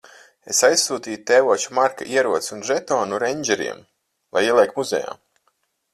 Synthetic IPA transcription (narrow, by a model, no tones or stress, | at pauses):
esajssuːt̪iːjut̪ɛːvuɔt͡ʃumaɾka̰ʔiɛɾuɔt̪sunʒɛt̪ɔːnuɾɛɲʲd͡ʒɛɾḭɛm | lˠa̰jiɛlˠʲɛkmuzɛ̰ja̰ː